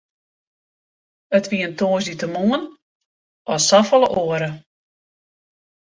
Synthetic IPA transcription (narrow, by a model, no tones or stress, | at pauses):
ətʋiəntʰoːsditəmuən | ʔɔsafəlˠəʔoəɾə